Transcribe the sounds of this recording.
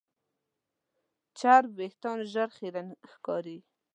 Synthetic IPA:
t͡ʃaɾbeht̪ɑnʒaɾxiɾanxkɑɾi

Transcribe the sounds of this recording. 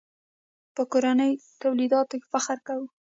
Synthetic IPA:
pəkoɾanəjt̪awlid̪ɑt̪oke̥faxɾkawu

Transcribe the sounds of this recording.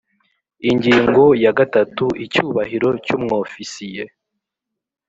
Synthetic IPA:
iɲɟiːŋɡo̞jaɡatatuʔicuːβaɦiɾo̞cumŋo̞ːfisije

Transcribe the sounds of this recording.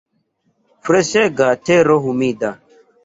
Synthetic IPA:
fɾeseɡateɾoɦumida

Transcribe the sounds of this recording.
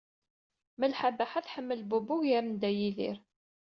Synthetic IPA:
məlħabaħaθħəmːəlbubʊʝjæɾənd̪æjiðḭɾ

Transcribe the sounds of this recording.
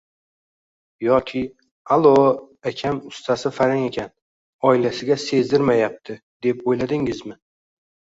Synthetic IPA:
jɒkʲʰɪ | alˠo | akʲʰamʊst̪ʰasɪfaɾaŋe̞kʲʰan | ɒɪlasɪɡʲase̞zd̪ɪɾmajap̚t̪ʰɪ | d̪e̞pojlad̪ɪŋɪzmɪ

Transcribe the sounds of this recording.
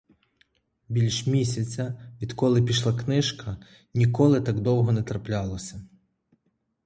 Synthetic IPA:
bʲilʲʃmʲisʲɐt͡sʲɐʋʲid̪kɔlˠɪpʲiʃlˠɑknɪʃkʰɐ | nʲikɔlˠɪt̪ɑɡd̪ɔwɦɔnɛt̪ɾɐplʲɑlˠɔsʲɐ

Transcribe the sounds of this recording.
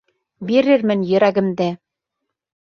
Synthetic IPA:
beɾĕrmɘ̆nʲjɘ̆ɾæɡɘ̆md̪e

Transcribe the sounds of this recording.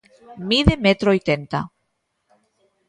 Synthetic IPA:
miðemet̪ɾoojt̪ent̪a

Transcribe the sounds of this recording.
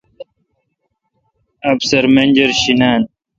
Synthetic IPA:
ɐbsɐɾmend͡ʑɐɾɕinaːn

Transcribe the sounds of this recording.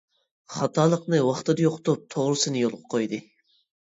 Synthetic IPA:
χɑt̪ʰɑːlˠəqnɨwɑχt̪ɨd̪ɨjoqt̪up̚t̪ʰoʁɾɨsɨnɨjolˠʁəqʰojd̪ɨ

